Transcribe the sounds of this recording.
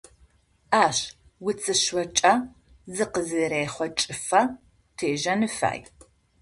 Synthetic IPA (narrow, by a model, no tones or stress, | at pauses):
aːɕ | wʊt͡sʰʼɨɕɐt͡ʃʼɐ | zɨqəzɨreːχʷɔt͡ʃʼɪfɐ | tʰeːʒɐnɨfa̰ːj